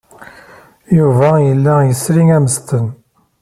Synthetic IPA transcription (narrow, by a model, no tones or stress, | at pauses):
juvæjəlːæjəsɾiŋæməst̪ən